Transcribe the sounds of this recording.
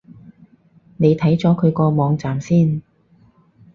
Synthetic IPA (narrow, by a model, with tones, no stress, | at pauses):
ne˨˧jt̪ʰɐ˨˥jt͡sɔː˨˥kʰɵ˨˧ɥkɔː˧mɔː˨˧ŋt͡saː˨msiː˥˩n